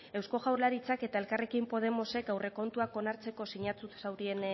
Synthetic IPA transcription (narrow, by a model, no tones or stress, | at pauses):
e̞wsko̞ɣawɾlaɾit͡sake̞t̪ae̞lkare̞kimpo̞ð̞e̞mo̞se̞kawre̞ko̞nt̪uako̞naɾt͡se̞ko̞siɲat͡sut̪sawɾie̞n